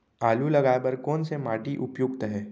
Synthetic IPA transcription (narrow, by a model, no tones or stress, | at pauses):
aːlulɐɡaːbɐɾkɔːnsemaːʈiʔʊpjuɡ̚t̪ɦɛ̃ː